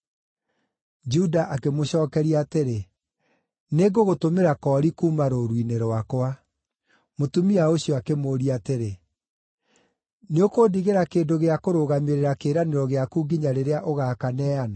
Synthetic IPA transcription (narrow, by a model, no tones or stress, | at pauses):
d͡ʒudaʔakemoɕɔːkɛɾiateɾe | neɡoɣotomeɾakɔːɾikuːmaɾoɾwineɾwakwa | motumiaoɕiɔakemoːɾiateɾe | neokoːdiɣeɾakeːdoɣeakoɾoɣameɾeɾakeɾaneɾɔɣeakuːɡiɲaɾeɾeaʔoɣaːkanɛːana